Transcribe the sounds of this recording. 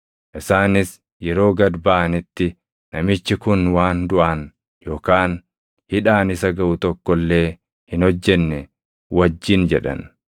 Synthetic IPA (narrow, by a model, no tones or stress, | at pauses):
ʔɪsaːnɪs | jɛɾo̞ːɡɐd̪baʔɐnɪt̪ːɪ | nɐmɪt͡ʃːɪkʊnwaːnd̪ʊʔɐn | jo̞ːkaːn | hɪᶑaːnɪsɐɡɐʔʊt̪ɔkːɔlːe̞ː | hɪnɔd͡ʒːɛnːɛ | wɐd͡ʒːɪnd͡ʒɛᶑɐ̰n